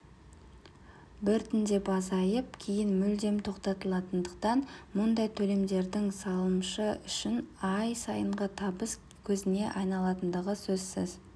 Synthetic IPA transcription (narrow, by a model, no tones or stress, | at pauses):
bɪɾt̪ʰɪnd̪e̞bɑzɑjəp̚kʲʰejɪnmʏld̪e̞mt̪ʰo̞qt̪ɑt̪əlˠɑt̪ənd̪əqt̪ɑnmʊnd̪ɑjt̪ʰɵle̞md̪e̞ɾd̪ɪŋsɑlˠəmʃəʏʃɪnɑjsɑjəɴʁət̪ʰɑbəs | kʲʰɵzɪne̞ʔɑjnɑlˠɑt̪ənd̪əʁəsɵzsɪz̥